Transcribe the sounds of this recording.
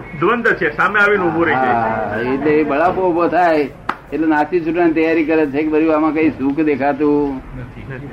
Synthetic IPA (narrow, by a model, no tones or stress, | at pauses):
d̪ʋənd̪ət͡ʃʰesameaʋinũːbʱoɾeɦaeʈlebəɭapoubʱot̪ʰaj | eʈlenat͡ʃit͡ʃuʈnanit̪əjaɾikəɾet͡ʃʰekebəɾibamãkəĩsukʰd̪ekʰat̪ũ